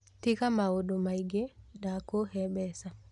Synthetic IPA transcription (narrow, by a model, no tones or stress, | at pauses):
tikamaodɔmajɡɛɗakohɛbɛsa